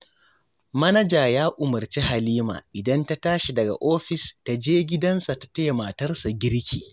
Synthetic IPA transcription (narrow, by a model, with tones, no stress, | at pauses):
mɐ˦nɐ˦d͡ʒaː˨jaː˦ʔʊ˨mɐ˨rt͡ʃi˦ɦa˨liː˦ma̰ː˨ʔɪ˨dɐ˦nta˦taː˦ʃi˨dɐ˨ɡa̰˨ʔoː˦ɸɪ˨sta˨d͡ʒeː˦ɡʲɪ˦dɐ˦nsa˨ta˨teː˦maː˨tɐ˦rsa˨ɡʲɪ˦ɽkʲḭː˨